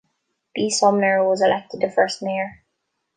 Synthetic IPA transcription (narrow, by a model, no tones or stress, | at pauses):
b̥isʌmnə˞wʌzəlɛk̚tɨd̪̚ðəfɜ˞st̚meɪə˞